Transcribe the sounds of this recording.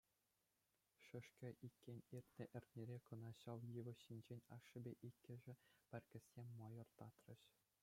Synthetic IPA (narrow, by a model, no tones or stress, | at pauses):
ʂɘ̆ʂkʲɘ̆ʔikʲːenʲirʲt̪ʲnʲɘ̆ʔɘ̆rʲt̪ʲnʲeɾʲekɤ̆nɑɕɑʋjɯʋɤ̆ɕːinʲd͡ʑenʲɑʂːɘ̆bʲeʔikʲːɘ̆ʐɘ̆pʲɘ̆rʲkʲɘ̆sːʲemʲmɑjɤ̆rt̪ɑt̪rɤ̆ɕ